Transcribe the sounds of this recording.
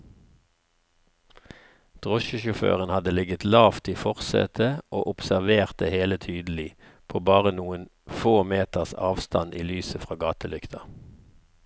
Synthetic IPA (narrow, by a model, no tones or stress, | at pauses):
d̪̥ʁɔʃəʃʊfø̰ːʁənhɑd̪əlɪɡət̪lɑːft̪ʰiːfɔʁsɛ̰t̪ʰəʔo̰ːʔʊpsæʁʋeːʁt̪̚əheːlət̪ʰyːd̪l̩ɪ | pʰoːbɑːʁənuːən | foːmeːt̪əʁsɑ̰ːʋst̪ɑ̰nʔḭːlyːsəfʁɑːɡɑːt̪əlʏkt̪ʰɑ